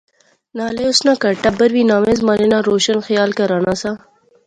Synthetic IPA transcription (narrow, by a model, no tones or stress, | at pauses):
naːleʊsnaːkɐɾʈɐbɐɾʋiːnaːmẽzmɐɾeːnaːɾoːʃənxɐjaːlkɐɾaːnaːsaː